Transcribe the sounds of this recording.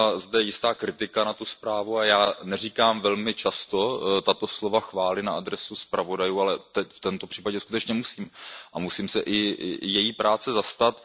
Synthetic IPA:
zdɛjɪst̪aːkɾɪt̪ɪkanat̪uspɾaːvuajaːnɛriːkaːmvɛlmɪt͡ʃast̪o̞t̪at̪o̞slovaxvaːlɪnaʔad̪ɾɛsuspɾʔavo̞dajuːalɛt̪ɛcft̪ɛnt̪o̞pr̝̥iːpaɟɛskut̪ɛt͡ʃɲɛmusiːmʔamusiːmsɛʔɪjɛjiːpɾaːt͡sɛzast̪at̪

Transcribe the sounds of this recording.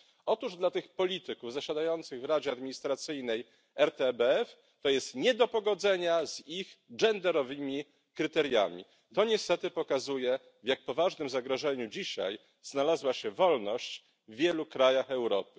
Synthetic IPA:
ɔt̪uʐd̪lat̪ɘxpɔlʲit̪ɘkuvzaɕad̪ajɔnt̪sɘɣvɾad͡ʑɛad̪mʲiɲist̪ɾat̪sɘjnɛj | ɛɾt̪ɛbɛɛf | t̪ɔjɛst̪ɲɛd̪ɔpɔɡɔd̪zɛɲazixd͡ʐɛnd̪ɛɾɔvɘmʲi | kɾɘt̪ɛɾja̰mʲḭ | t̪ɔɲɛst̪ɛt̪ɘpɔkazujɛ | vjak̚pɔvaʐnɘmzaɡɾɔʐɛɲud͡ʑiɕa̰j | z̥nalazwaɕɛvɔlnɔɕt͡ɕ | vːʲjɛlukɾajaxɛwɾɔpɘ̥

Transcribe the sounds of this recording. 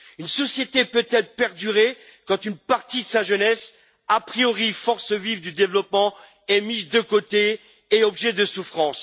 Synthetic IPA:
ynsɔsjet̪epøt̪ɛlpɛʁd̪yʁe | kɑ̃t̪ynpaʁt̪id̪əsaʒənɛs | apχijɔʁifɔʁsəvivd̪yd̪evlɔpmɑ̃ | ɛmizd̪əkot̪eː | ɔbʒɛd̪əsufχɑ̃s

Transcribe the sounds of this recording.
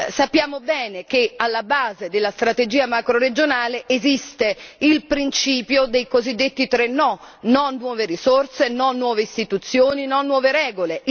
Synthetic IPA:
sapːjaːmobɛːnek̟ealːabaːzed̪elːast̪ɾat̪ed͡ʒiːamakɾoɾed͡ʒonaːleʔezist̪eilpɾint͡ʃiːpjod̪ejkozid̪ːet̪ːit̪ɾenːɔnonːwɔːveɾisort̪senɔnːwɔːveist̪it̪ut̪sːjoːninɔnːwɔːveɾɛːɡole

